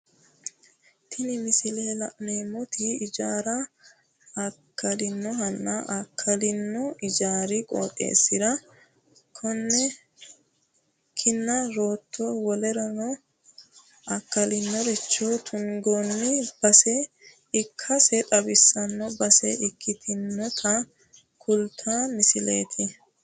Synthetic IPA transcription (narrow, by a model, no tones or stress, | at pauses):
t̪ʰɪnɪmɪsɪleːlɐʔneːmːɔt̪ʰiːɪd͡ʒaːɾɐ | ɐkːɐlɪnːɔhɐnːɐʔɐkʰːɐlɪnːɔɪd͡ʒaːɾɪkʼoːt̪ʼːḛːsːɪɾɐ | kʰɔnːɛ | kʰɪnːɐɾo̞ːt̪ʰːɔwɔlɛɾɐnɔ | ʔɐkːɐlɪnːɔɾɪt͡ʃːot̪ʰʊŋɡonːɪb̥ɐsɛ | ɪkʰːɐsɛt̪ʼɐbɪsːɐnːɔbɐsɛɪkʰːɪt̪ʰɪnːɔt̪ʰɐ | kʰʊlt̪ʰaːmɪsɪleːt̪ʰɪ